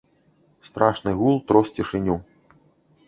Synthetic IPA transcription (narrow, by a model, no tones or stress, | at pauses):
st̪ɾʔaʂnɨɣulˠt̪ɾɔst͡sʲiʂɨnʲu